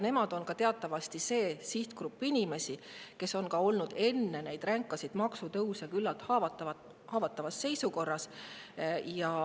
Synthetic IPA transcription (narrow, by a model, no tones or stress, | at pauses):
ne̞mɑd̪̥o̞nkɑt̪e̞ɑt̪ːˑɑvɑst̪ise̞ːsiht̪krupːˑinʲime̞sike̞so̞nkɑo̞lnud̪̥e̞nːe̞nejd̪̥ræŋkːˑɑsid̪̥mɑksut̪ɤwsjɑkylːɑlt̪ˑhɑvɑt̪ːˑɑɑ | hɑːvɑt̪ːˑɑvɑsːe̞jsuko̞rːɑs | jɑ